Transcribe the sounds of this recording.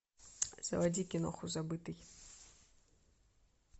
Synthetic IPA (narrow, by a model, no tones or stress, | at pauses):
z̥ɐ̰vadʲikʲɪnɔ̰xʊzabɨt̪ɨj